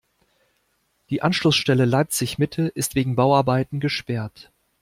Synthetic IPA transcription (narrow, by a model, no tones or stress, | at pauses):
d̥iːʔanʃlʊsʃtɛləlaɪp̚t͡sɪçmɪtʰəʔɪstv̥eːɡŋ̩baʊaɐbaɪtn̩ɡəʃpɛɐt